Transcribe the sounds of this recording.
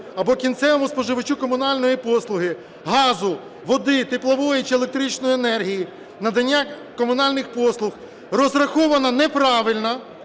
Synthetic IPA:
ɐbɔkʲint̪sɛʋɔmʊspɔʒɪʋɪt͡ʃukɔmʊnɑlʲnɔjipɔslˠʊɦɪ | ɦɑzʊ | ʋɔd̪ɪt̪ɪplˠɐʋɔjit͡ʃielˠek̚t̪ɾit͡ʃnɔjienɛrɦʲiji | nɐd̪ɐnʲːa | kɔmʊnɑlʲnɪxpɔslˠʊx | rɔzrɐxɔʋɐnɐnɛpɾɑʋɪlʲnɐ

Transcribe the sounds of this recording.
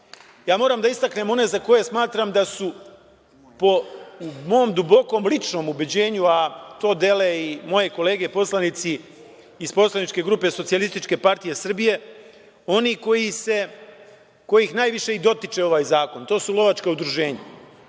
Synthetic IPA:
jaːmo̞ːɾaːmd̪aist̪akne̞mo̞ne̞zako̞je̞smaːt̪ɾamd̪asu | po̞umo̞md̪ubo̞ko̞ːmlit͡ʃno̞ːmubed͡ʑe̞ːɲuat̪o̞ːd̪e̞leimo̞je̞ko̞le̞ːɡe̞po̞slanit̪siː | spo̞slˠanit͡ʃke̞ɡɾuːpe̞so̞t̪sialist̪it͡ʃke̞paɾt̪ije̞sr̩bije̞ | o̞niko̞jise̞ | ko̞jixnaːjʋiʃe̞id̪o̞t̪it͡ʃe̞o̞ʋaːjzaːko̞nt̪o̞ːsulo̞ʋat͡ʃkaud̪ɾuʒe̞ːɲa

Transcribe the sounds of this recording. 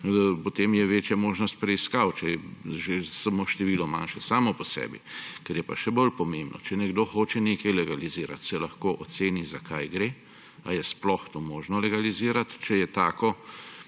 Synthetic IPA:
pɔt̪eːmjɛʋeːt͡ʃjamoːʒnɔst̪̚pɾɛiskawt͡ʃɛjɛʒesamoʃt̪ɛʋiːlɔma̰nʃɛsaːmɔpɔsɛ̰ːbḭkɛɾjɛpaʃɛbolpɔmembnɔ̰t͡ʃɛnɛɡd̪oːxoːt͡ʃɛnekɐjlɛɡaliziːɾa̰t̪sɛlɐxkoːʔɔt̪seːnizakʰajɡɾe | a̰jɛsplɔxt̪oːmoːʒnɔlɛɡaliziːɾat̪t͡ʃɛjɛt̪aːkɔ

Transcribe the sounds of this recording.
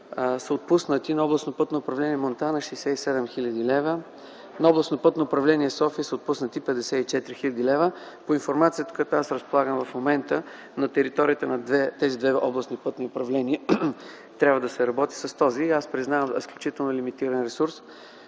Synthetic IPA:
səot̪̚pusnət̪inɐɔblˠɐsnopɤt̪noːpɾɐvlɛniɛmont̪anɐʃɛjsɛisɛd̪ɛmxilʲɐd̪ilɛvə | nɐɔblˠɐsnopɤt̪noːpɾɐvlɛniɛsɔfiəsəot̪̚pusnət̪ipɛd̪ɛsɛit͡ʃɛt̪ɾixilʲəd̪ilɛvə | poinfoɾmat̪sijət̪əkojat̪oasɾəspolˠaɡəmvɐfmomɛnt̪ə | nɐt̪ɛɾit̪ɔɾiət̪ənɐd̪ɛt̪ɛzid̪vɛɔblˠɐsnipɤt̪niopɾɐvlɛniə | t̪ɾʲabvəd̪ɐsɛɾɐbɔt̪i̥sɐst̪ɔziaspɾiznavəmɛsklʲut͡ʃit̪ɛlˠnolʲimit̪iɾɐnɾɛsuɾs

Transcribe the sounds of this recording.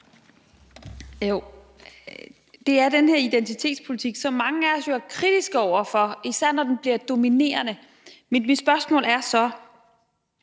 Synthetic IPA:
jo | d̥e̝æɐd̥enheɐid̥ent͡sʰit͡sʰe̝̰ːd̥spʰo̝lit͡sʰiɡ̥sɒ̽mɑ̈ŋəæɐɒsjoæɐkʰʁid̥isɡ̥əɒʊ̰ɐfɒ̽isæɐ̰nɒd̥enb̥liɐd̥o̝mine̝̰ːɐnə | mid̥mid̥sb̥ɶɐsmɔ̰̽ːlæɐsɒ̽

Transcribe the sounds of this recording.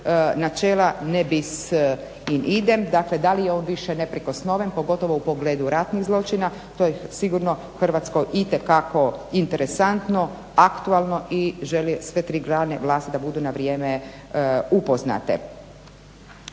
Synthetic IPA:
nat͡ʃeːlanebis | inʔid̪emd̪akled̪alijeo̞ːnʋiʃenepɾikosno̞ʋenpo̞ɡo̞t̪o̞ʋoupoɡleːd̪uɾat̪niɣzlˠo̞t͡ʃina | t̪oːjesiɡuɾno̞ | xr̩ʋat̪sko̞jʔit̪ekako̞int̪eɾesant̪no̞ | akt̪ualˠno̞ʔiʒelisʋe̞t̪ɾiɡɾaːneʋlˠaːst̪id̪abud̪unaʋɾjeːme | upozna̰t̪ḛ

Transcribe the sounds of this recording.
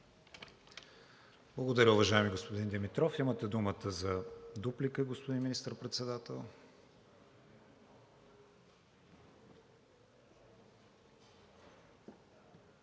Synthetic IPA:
b̥lˠəɡod̪ɐɾʲəʊvɐʒaɛmiɡospod̪ind̪ɛmit̪ɾɔfimət̪ɛd̪umət̪əzɐd̪uplikəɡospod̪inminist̪əɾpɾɛt̪sɛd̪at̪ɛlˠ

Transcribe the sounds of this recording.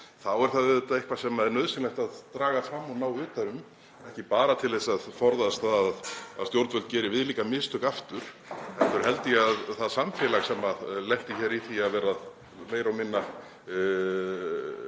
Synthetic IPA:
θawɛɾ̥θaðvɪðʏt̪aejhkvḁsɛmaðɛɾnœðsɪnlɛht̪aðt̪ɾaːɣaθɾamːɔnawʏːt̪aɾʏm | ɛhcɪpaːɾat̪ʰɪlðesaðfɔɾðast̪θaðaðaðst̪jowɾt̪vœlt̪cɛːɾɪvɪðliːkamɪst̪ʰʏkaft̪ʏɾ̥ | ɛft̪ʏɾ̥ɦɛlt̪ɪaðθaðsamfɛlaɣsɛmalejht̪ɪçɛɾiθiaðvɛːɾað | meːjɾawmɪnːa

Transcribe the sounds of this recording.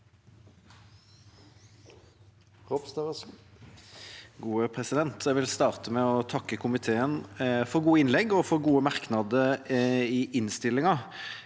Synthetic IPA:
ʁɔbst̪ɑəs | ɡuːəpʰʁɛsɪd̪ɛnt̪ɛʋɪlst̪ɑːʁt̪əmɛɔt̪ʰɑkːəkʰʊmɪt̪ʰeːənfɔɾɡuːəɪnlɛɡɔfɔɾɡuːəmɑʁknɑd̪əɾɪʔɪnst̪ɪlːɪŋɑ

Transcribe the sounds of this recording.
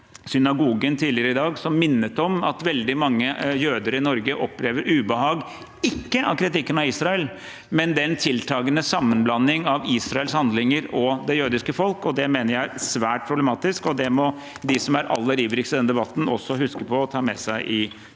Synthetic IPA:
sʏnɑɡuːɡənt̪ʰiːlɪəɾəɪd̪ɑːɡsɔmːɪnːət̪ɔmɑt̪ʋɛld̪ɪmɑŋːəjøːd̪əɾəɪnɔɾɡəʔɔpːleːʋəɾʉːbəɦɑːɡ | ɪkːəʔɑkʰɾɪt̪ɪkːənɑiːsɾɑɛl | mɛnd̪ɛnt̪ʰɪlt̪ʰɑːɡənəsɑmːənblɑnːɪŋɑʋiːsɾɑɛlshɑnd̪lɪŋəɾɔd̪ɛjøːd̪ɪskəfɔlkɔd̪ɛmeːnəɾjæɪɾsʋæːʈ̚pʰɾʊblɛmɑːt̪ɪskɔd̪ɛmɔ | d̪ɪsɔmæɾɑ̰lːəɾiːʋɾɪksəd̪ɛnd̪ɛbɑt̪ːn̩ɔsːɔhʉskəpʰɔɔt̪ʰɑːmɛ̰sæɪʔɪ

